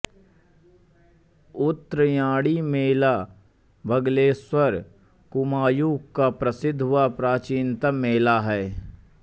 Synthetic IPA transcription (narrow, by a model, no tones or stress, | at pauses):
ʊt̪ːɾəjãːɽimeːla | bʱəɡleːswəɾ | kʊmaːjuːkkapɾəsɪd̪ʱɦʊwapɾaːt͡ʃiːnt̪əmeːlaɦɛː